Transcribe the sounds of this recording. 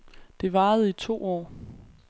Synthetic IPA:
d̥e̝ʋɑ̈ːð̩ˠit͡sʰo̝̰ːɒ̰ː

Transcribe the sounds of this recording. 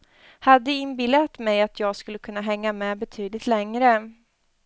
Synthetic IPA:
had̪ːəɪnbɪlːat̪mɛjat̪ʰjɑːɡskɵlːəkʰɵnːaɦɛŋːamɛːbɛt̪ʰyːd̪lɪt̪lɛŋɾə

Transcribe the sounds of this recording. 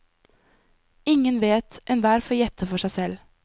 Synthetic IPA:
ɪŋənʋeːt̪ʔɛnʋæːɾfɔjɛt̪ʰəfɔʃæɪsɛl

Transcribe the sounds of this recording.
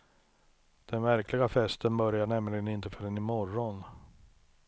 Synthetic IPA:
d̪̥ɛnvæɾklɪɡafɛst̪ənbœɾjaɳɛmlɪɡənɪnt̪əfœɖɛnɪmɔɾɔn

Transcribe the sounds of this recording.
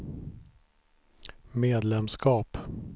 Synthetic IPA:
meːd̪lɛmskɑːp

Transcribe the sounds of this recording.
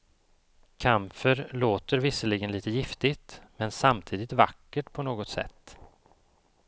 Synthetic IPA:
kʰamfəɾloːt̪əɾvɪsəlɪɡənliːt̪əjɪft̪ɪt̪mɛnsamt̪ʰiːd̪ɪt̪va̰kːəʈpʰɔnoːɡɔt̪sɛ̰t̪ː

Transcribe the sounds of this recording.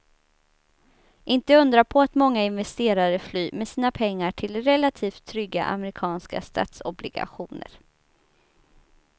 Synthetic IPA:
ʔɪnt̪əɵnd̪ɾapʰɔat̪mɔŋːaɪnvɛst̪eːɾaɾəflyːmɛsiːnapʰɛŋːaʈʰɪld̪ɛɾɛlat̪ʰiːft̪ʰːɾʏɡːa̰ʔa̰mɛɾɪkʰɑːnska̰st̪ʰɑ̰ːt̪sɔblɪɡa̰ɧuːnə̰ɾ

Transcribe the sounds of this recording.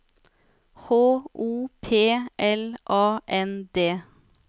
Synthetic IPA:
hoːʔuːpʰeːʔɛlʔɑːʔɛnd̪eː

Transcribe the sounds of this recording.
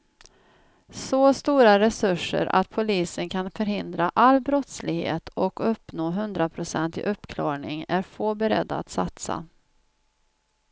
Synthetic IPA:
sost̪uːɾaɾɛsɵʂːə̰ɾa̰t̪̚pʰʊliːsənkʰanfœɾɦɪnd̪ɾaʔalːbɾɔt̪slɪɡhḛːt̪ɔkɵpːnoːɦɵnd̪ɾapʰɾʊsɛ̰nt̪ɪ̰ʔɵpːkʰlɑːɡɳɪŋæɾfoːbɛɾɛ̰d̪ːaa̰t̪sat̪sa̰

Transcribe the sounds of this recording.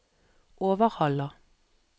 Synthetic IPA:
ʔoːʋəʁhɑlə

